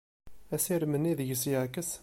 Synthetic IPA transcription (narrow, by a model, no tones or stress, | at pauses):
æsiɾmənːiðʝəsjəʕkəs